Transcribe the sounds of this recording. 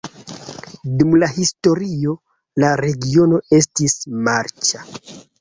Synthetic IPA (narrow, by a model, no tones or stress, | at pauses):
dumlahisto̞ɾio̞ | laɾe̞ɡio̞no̞e̞stismaɾt͡ʃa